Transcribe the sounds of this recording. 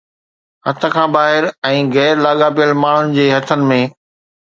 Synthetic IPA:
hɐt̪ʰə̆kʰãːbaːɦɪɾɛ̃ːɣɛːɾlaːɠaːpijəlmaːɳ̤ʊnɪ̆d͡ʑeːɦɐt̪ʰənɪ̆mẽː

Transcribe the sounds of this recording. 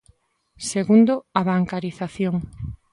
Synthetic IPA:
seɣund̪oaβaŋkaɾiθaθjoŋ

